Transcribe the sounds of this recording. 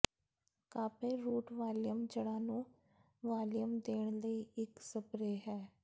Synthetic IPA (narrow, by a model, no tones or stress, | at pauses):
kaːpeːɾuːʈʋaːljəmd͡ʒəɽãːnũː | ʋaːljəmd̪eːɳləiːɪksəpɾeːɦɛː